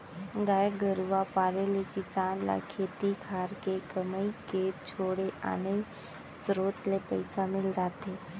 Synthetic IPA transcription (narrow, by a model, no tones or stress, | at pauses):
ɡaːjəɡəɾuʋapaːɾelekɪsaːnla̰kʰeːt̪ikʰaːɾkekəməiket͡ʃʰoːɽeʔa̰ːnəi | sɾoːt̪lepəɪsamɪld͡ʒaːt̪eː